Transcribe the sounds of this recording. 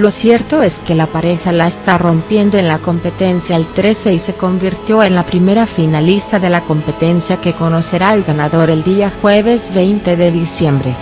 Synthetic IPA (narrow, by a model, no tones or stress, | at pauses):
lo̞sje̞ɾt̪o̞e̞ske̞lapaɾe̞xalaest̪aro̞mpje̞nd̪oenlako̞mpe̞t̪e̞nsjaelt̪ɾe̞se̞ise̞ko̞mbiɾt̪jo̞e̞nlapɾime̞ɾafinalist̪aðe̞lako̞mpe̞t̪e̞nsjake̞ko̞no̞se̞ɾaelɡanaðo̞ɾe̞ld̪iaxwe̞βe̞zβe̞jnt̪e̞ðe̞ðisje̞mbɾe̞